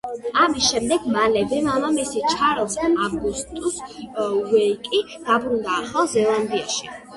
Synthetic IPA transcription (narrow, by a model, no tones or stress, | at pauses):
amisʃɛmd̪ɛɡmalɛbɛmamamisit͡ʃʰaɾɔsɛmaɡust̪ʼuswɛikʼi | d̪̥abɾund̪aːχˠazɛlˠand̪ia̰ʃi